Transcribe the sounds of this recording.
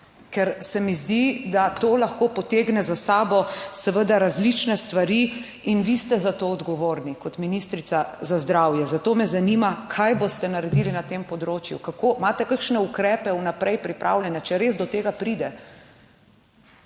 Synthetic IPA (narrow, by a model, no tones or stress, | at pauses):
kɛɾsɛmizd̪id̪at̪oːlaxkoːpɔt̪eːɡnɛzasaːbɔsɛʋəd̪aɾazlit͡ʃnɛst̪ʋaɾi | inʋist̪ɛzat̪oːɔd̪ɡɔʋoːɾnikɔt̪minist̪ɾit̪sazazd̪ɾaːwjɛzat̪oːmɛzanimakʰajbost̪ɛnaɾɛd̪ilinat̪eːmpɔd̪ɾoːt͡ʃjṵkakoːmaːt̪ɛkəkʃnɛukɾɛːpɛunapɾɛjpɾipɾʔa̰wljɛnat͡ʃɛɾeːzd̪ɔt̪eːɡapɾid̪ɛ